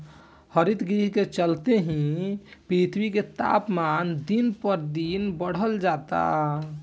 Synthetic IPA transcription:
həɾit̪ɡɾiɦket͡ʃəlt̪eɦĩpɾit̪ʰwiket̪a̰pmand̪inpəɾd̪inbəɽ̤əld͡ʒat̪a̰

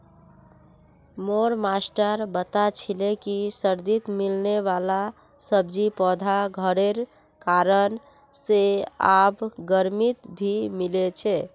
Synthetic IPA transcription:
moɾmasʈəɾbət̪at͡ʃʰilekisəɾd̪it̪milneʋala | səbd͡ʒipɔd̪ʱaɡʱəɾeɾ | kaɾən | seabɡəɾmit̪bʱimilet͡ʃʰɛ

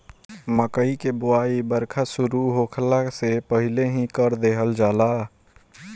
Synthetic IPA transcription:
məkəikebʊaːibəɾkʰasʊɾuɦokʰəlasepəɦɪleɦĩkəɾd̪eɦəld͡ʒaːla

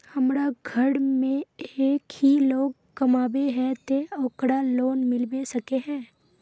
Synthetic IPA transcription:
hɐmɾaɡʱəɽmẽeːkhiloːɡ̚ | kɐmaːbeɦɛ̃t̪eoːkɽaloːnmɪlbesɐkeɦɛ̃ː

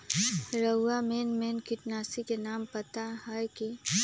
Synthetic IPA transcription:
ɾəameːnmeːnkɪʈnaːsikenaːmpɐt̪aɦɛjki

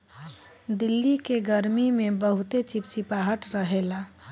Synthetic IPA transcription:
d̪ilːikeɡəɾmimebəɦut̪et͡ʃip̚t͡ʃipaɦəʈɾəɦela

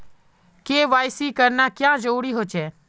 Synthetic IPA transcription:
keːʋaːjsiːkəɾnaːkjãːd͡ʒoːɽiːɦoːt͡ʃeː

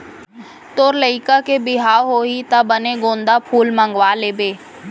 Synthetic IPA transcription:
t̪oːɾləɪkakebɪɦaːwɦoːɦit̪abəneɡõːnd̪apʰuːlmə̃ŋɡʋaːleːbeː

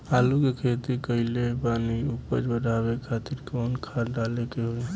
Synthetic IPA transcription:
aːlukekʰeːt̪ikəɪlepaːniʊpəd͡ʒbəɖʱaːbekʰaːt̪ɪɾkɔːnkʰaɾɖaːlekeɦoe

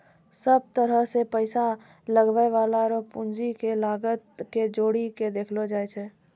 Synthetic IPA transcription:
səb̚t̪əɾəɦsepəɪsa | ləɡʋəeʋaːlaɾopund͡ʒikelaːɡət̪̚ked͡ʒoːɽiked̪eːkʰlod͡ʒaːjt͡ʃʰɛː

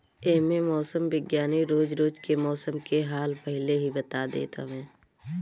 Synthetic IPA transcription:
eːmẽmɔːsəmbɪɡjaːniɾoːd͡ʒɾoːd͡ʒkemɔːsəmkeɦaːlpɐɦɪleɦibət̪ad̪ḛːt̪a̰ʋɛ̃ː

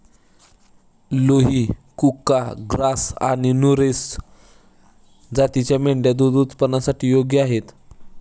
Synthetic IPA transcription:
loɦikukːaɡɾasa̰ɽ̃inuɾes | d͡zat̪it͡ɕjameɳɖjad̪ud̪ut̪pənasaʈiːjoɡjəaɦet̪

